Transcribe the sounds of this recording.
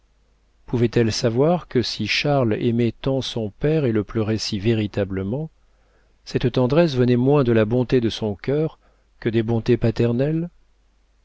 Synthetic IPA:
puvɛt̪ɛlsavwaʁkəsiʃaʁlḛmɛt̪ɑ̃sɔ̃pɛʁeləplœʁɛsiveʁit̪abləmɑ̃ | sɛt̪t̪ɑ̃d̪ʁɛs̬vənɛmwɛ̃d̪əlabɔ̃t̪ed̪əsɔ̃kʲœʁ | kəd̪ebɔ̃t̪epat̪ɛʁnɛl

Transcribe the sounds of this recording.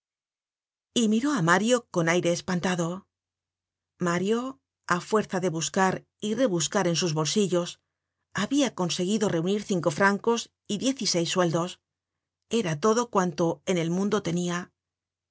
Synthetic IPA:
imiɾo̞amaɾjo̞ko̞najɾe̞ːspant̪aðo̞ | maɾjo̞ | afwe̞ɾθaðe̞βuskaɾ | ire̞βuskaɾe̞nsuzβo̞lsiʎo̞s | aβiako̞nse̞ɣ̞iðo̞re̞uniɾθiŋko̞fɾaŋko̞s | iðje̞θise̞jsːwe̞ld̪o̞s | e̞ɾat̪o̞ðo̞kwant̪o̞e̞ne̞lmũnd̪o̞t̪e̞nia

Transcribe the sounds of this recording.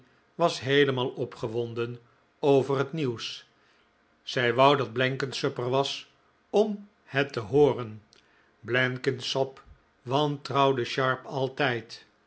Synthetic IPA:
ʋɑsɦejləmɑːlˠɔpχəʋɔndən | owvərɦətniws | z̥ɛjʋɑwdɑd̚blɛŋkənsøpəɹʋɑs | ɔm | hɛtəɦoːrən | blɛŋkənsɔp | ʋɑntrɑwdəʃɑɹpɑlˠtɛjt

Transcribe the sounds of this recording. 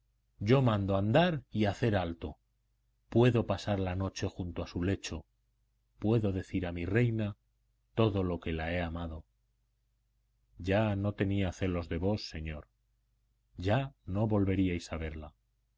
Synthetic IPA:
ɟ͡ʝo̞mãnd̪oand̪aɾiaθe̞ɾalt̪o̞ | pwe̞ðo̞pasaɾlano̞t͡ʃe̞xunt̪oasule̞t͡ʃo̞ | pwe̞ðo̞ðe̞θiɾamire̞jna | t̪o̞ðo̞lo̞ke̞lae̞amað̞o̞ | ɟ͡ʝano̞t̪e̞niaθe̞lo̞zðe̞βo̞sːe̞ɲo̞ɾ | ʝano̞βo̞lβe̞ɾiajsaβ̞e̞ɾla

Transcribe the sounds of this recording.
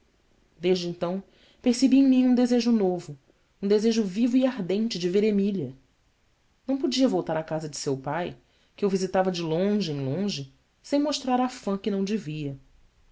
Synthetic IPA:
d̪eʒd͡ʒɪẽnt̪ɐ̃w̃ | peɾsebiẽj̃mĩũd̪ezeʒʊnovʊ | ũd̪ezeʒʊvivʊiaɦd̪ẽnt͡ʃɪd͡ʒɪveɾemiʎiɐ | nɐ̃w̃pod͡ʒiɐvowt̪aɾakazɐd͡ʒɪsewpaj | kɪewvizit̪avɐd͡ʒɪlõʒɪẽj̃lõʒɪ | sẽj̃moʃt̪ɾaɾafɐ̃kɪnɐ̃w̃d͡ʒɪviɐ

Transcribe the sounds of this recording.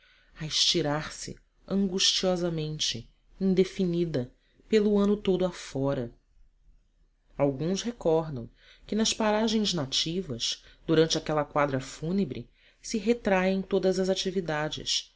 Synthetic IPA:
ɐɪʃt͡ʃiɾaɾsɪ̰ | ɐ̃ŋɡuʃt͡ʃiɔzɐmẽnt͡ʃɪ̰ | ĩnd̪efinid̪ɐ | pelʊɐ̃nʊt̪od̪ʊafɔɾɐ | awɡũshekɔɾd̪ɐ̰̃w̃ | kɪnɐspaɾaʒẽj̃znat͡ʃivɐsd̪uɾɐ̃nt͡ʃɪakɛlɐkwad̪ɾɐfunebɾɪ̰ | sɪɦet̪ɾaẽj̃t̪od̪ɐzɐzat͡ʃivid̪ad͡ʒɪ̰s

